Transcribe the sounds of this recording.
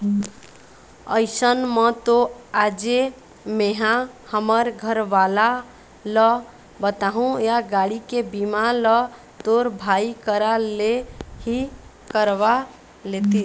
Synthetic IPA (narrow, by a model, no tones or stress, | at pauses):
əjsənmət̪oad͡ʒe | meɦãhəməɾɡʱəɾʋala | lə | bət̪aɦũjaɡaɽikebimalə | t̪oɾbʱaikəɾalehikəɾʋa | let̪i